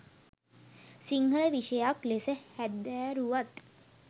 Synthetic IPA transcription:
siŋɡəɭəʋiʃəjaklesəhæd̪ːæːɾuʋat̪

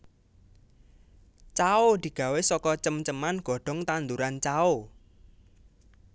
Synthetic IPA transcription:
t͡ʃaod̪̥i̤ɡ̥ä̤wesɔkɔt͡ʃəmt͡ʃəmanɡ̥ɔ̤ɖ̥ɔ̤ŋt̪and̪uɾant͡ʃao

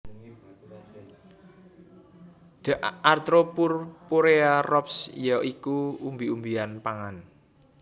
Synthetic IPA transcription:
d̪̥əʔʔart̪ɾopurpoɾearɔpsjɔʔikuumbiumbianpaŋan

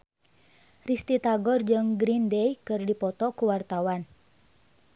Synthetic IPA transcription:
rist̪it̪aɡɔrd͡ʒɨŋɡɾindɛjkɨrdipɔt̪ɔkuwart̪awan

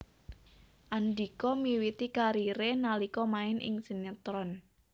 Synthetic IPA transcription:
ʔand̪i̤kɔmiwit̪ikaɾiɾenalikɔmaɪnʔɪ̰ŋsənat̪ɾɔn

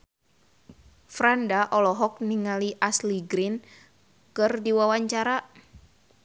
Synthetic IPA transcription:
fɾandaʔɔlɔɦɔk̚niŋaliʔasliɡɾin | kɨrdiwawaɲt͡ʃaɾa

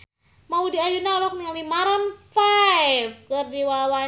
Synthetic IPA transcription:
maudiajunaɔlɔk̚niŋlimaɾanfajfkɨrdiwawa

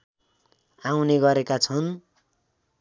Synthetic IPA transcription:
awneɡʌɾekat͡sʰʌn

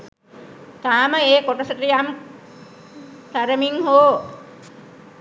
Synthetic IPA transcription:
t̪aməekoʈəsət̪ijam | t̪aɾəmiŋɦoː

